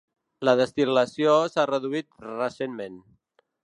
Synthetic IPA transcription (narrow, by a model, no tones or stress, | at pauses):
ləðəst̪iləsiosarəðuit̪rəsenmen